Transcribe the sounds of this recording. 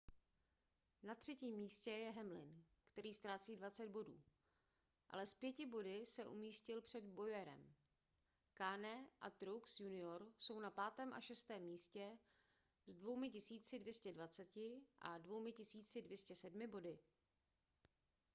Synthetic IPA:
nat̪r̝̥ɛciːmːiːscɛjɛɦɛmlɪnkt̪ɛɾiːst̪ɾaːt͡siːdvat͡sɛd̪̚bo̞dṵː | ʔa̰lɛspjɛcɪbo̞dɪsɛʔṵmiːscɪlpr̝̥ɛd̪bo̞jɛɾɛ̰m | kaːnɛʔa̰t̪ɾuksjunɪoɾso̞wnapaːt̪ɛːmʔa̰ʃɛst̪ɛːmːiːscɛ | zdvo̞wmɪcɪsiːt͡sɪdvjɛscɛdvat͡sɛcɪʔa̰dvo̞wmɪcɪsiːt͡sɪdvjɛscɛsɛdmɪbo̞dɪ

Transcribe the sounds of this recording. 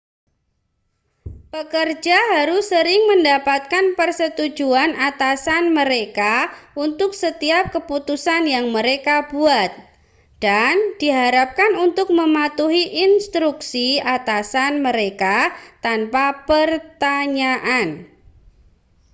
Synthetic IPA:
pəkərd͡ʒaɦaɾʊsːəɾɪŋməndapat̪̚kanpərsət̪ud͡ʒuanat̪asanməɾekaunt̪ʊksət̪iap̚kəput̪usanjaŋməɾekabuat̪̚ | d̥and̥iɦaɾap̚kanunt̪ʊk̚məmat̪uɦiʔinst̪ɾuksiat̪asanməɾekat̪anpapərt̪aɲaʔan

